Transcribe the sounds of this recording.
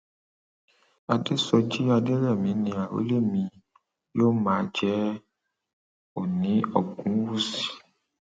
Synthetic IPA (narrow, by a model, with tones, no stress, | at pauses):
a˨de˦sɔ˧d͡ʒi˦a˧de˦ɾɛ˦˨mĩ˨˦nĩ˧˦a˨o̰˨˦le˦˨mĩ˧ | jo˦mãː˨˦˧d͡ʒɛ˦ | o˨nĩ˨˦ɔ˦˨ɡũ˨˦wu˦si̥˨